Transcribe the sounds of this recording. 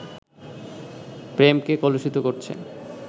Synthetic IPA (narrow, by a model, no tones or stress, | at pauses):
pɾemkekɔloʃit̪okoɾt͡ɕʰḛn